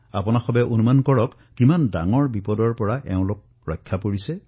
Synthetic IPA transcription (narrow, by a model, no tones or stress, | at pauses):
a̰pɔnaxɔbɛʔonumankɔɹɔk | kimanda̰ŋɔɹbipɔdɔɹpɔɹaʔɛʊ̃lok̚ | ɹɔ̰jkʰːapoɹisɛ